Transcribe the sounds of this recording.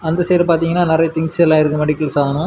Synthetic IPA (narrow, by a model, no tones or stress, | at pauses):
ɐnd̪ɐsɛjɾpaːɾt̪iːŋɡɐnːaːnɪɾɐjɐt̪ɪŋɡsɐɛlːãːɪɾɯkːɯmɐɽɪkːɐɭsaːɐnʊ̃